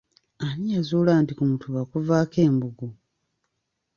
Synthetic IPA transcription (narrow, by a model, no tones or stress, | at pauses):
anijazuːlaːntikumutʰuβakuvaːke̞ːmbuɡu